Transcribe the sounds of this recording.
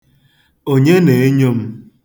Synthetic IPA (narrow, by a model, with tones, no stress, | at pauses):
o˦ɲe˦ne˨˦ɲo˦m̩˦